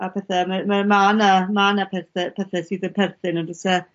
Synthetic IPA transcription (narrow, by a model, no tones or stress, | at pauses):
apʰɛθɛməməmaːnamanapʰɛrθɛpʰɛθɛsiːdənpʰɛrθɪnɔdəsɛ